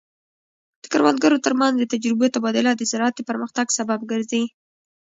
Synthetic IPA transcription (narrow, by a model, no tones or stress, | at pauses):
d̪̥əkaɾwand̪̚ɡaɾot̪əɾmanzd̪ət̪ad͡ʒɾɪbot̪abɑd̪ʊlad̪əzɪɾɑt̪əpəɾməxt̪aɡsabab̚ɡəɾzi